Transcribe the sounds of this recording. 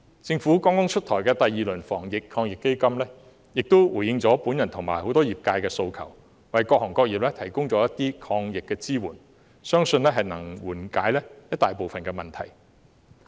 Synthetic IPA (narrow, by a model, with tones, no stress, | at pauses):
t͡sɪ˧ŋfu˨˥kɔː˥ŋkʊ˥ŋt͡ʃʰɵ˥t̚t̪ʰɔː˨˩jkɛː˧t̪ɐ˨jːiː˨lɵ˨˩nfɔː˨˩ŋjɪ˨kʰɔː˧ŋjɪ˨kːe˥jkɐ˥mlɛː˥ | jɪ˨k̚t̪o˥wwuː˨˩jɪ˧ŋt͡sɔː˨˥puː˨˥njɐ˨˩nt̪ʰʊ˨˩ŋmaː˨˩jho˨˥wt̪ɔː˥jiː˨p̚kaː˧jkɛː˧so˧wkʰɐ̰˨˩w | wɐ˨˩jkɔː˧k̚hɔː˨˩ŋkɔː˧k̚jiː˨p̚lɛː˥t̪ʰɐ˨˩jkʊ˥ŋt͡sɔː˨˦˥jɐ˥t̚t̪iː˥kʰɔː˧ŋjɪ˨kːɛː˧t͡siː˥wuː˨˩n | sœː˥ŋsɵ˧nlɛː˥ɦɐ˨jnɐ˨˩ŋwuː˨˩nkaː˨˥jlɛː˥jɐ˥t̪̚aː˨jpo˨wfɐ˨nkɛː˧mɐ˨nt̪ʰɐ˨˩j